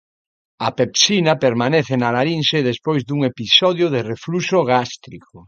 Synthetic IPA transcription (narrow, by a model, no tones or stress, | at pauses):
ɐpepsinɐpeɾmaneθenalaɾinseðespojzd̪uŋepisɔðjʊðereflusoɣast̪ɾiko